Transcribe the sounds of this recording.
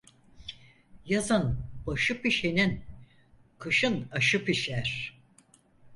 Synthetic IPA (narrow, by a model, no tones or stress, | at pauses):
jazɯnbaʃɯpiʃenin | kʰɯʃɯnaʃɯpiʃæɾ̥